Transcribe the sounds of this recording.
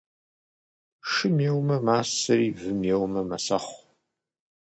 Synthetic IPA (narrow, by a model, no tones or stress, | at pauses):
ʂɨmjewmɐmaːsɐɾiːvɨmjewmɐmɐsɐχʷ